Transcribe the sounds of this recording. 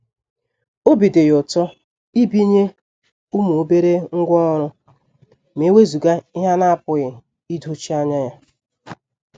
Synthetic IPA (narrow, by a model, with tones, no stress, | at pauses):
o˦bi˨de˨jʊ˨tɔ˦ | i˦bi˦ɲe˦ | u˦mu˨o˦be˦ɾe˦ŋ̩˦ɡʷɔ˦ɾʊ˦ | me˨˦we˦zu˨ɡa˦ɪ˦ɦa˦na˦a˦˨pʊ˨ɣɪ˨ | i˦do˦t͡ʃi˦a˦ɲa˦ja˦